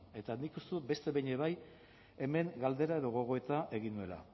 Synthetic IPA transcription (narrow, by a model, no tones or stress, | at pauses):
e̞t̪anikust̪uebe̞st̪e̞βeɲeβaj | e̞me̞ŋɡald̪e̞ɾae̞ðo̞ɣo̞ɣ̞o̞e̞t̪aʔe̞ɣinue̞la̰